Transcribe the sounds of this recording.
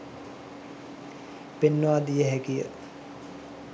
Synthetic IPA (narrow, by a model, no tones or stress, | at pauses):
penːəʋaːd̪ijəɦɛkijə̰